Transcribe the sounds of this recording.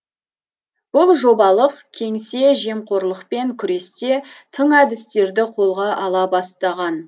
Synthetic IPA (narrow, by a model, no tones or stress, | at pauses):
b̥ʊlˠʒo̞bɑlˠəqkʲʰe̞ŋse̞ʒe̞mqʰo̞ɾlˠəqpe̞ŋkʲʰʏɾe̞st̪e̞t̪ʰəɴæd̪ɪst̪e̞ɾd̪ɪqʰo̞lˠʁɑʔɑlˠɑbɑst̪ɑʁɑn